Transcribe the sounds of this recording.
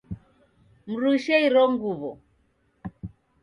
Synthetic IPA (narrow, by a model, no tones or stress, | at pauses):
m̩ɾuiʃɛiɾɔŋɡuβɔ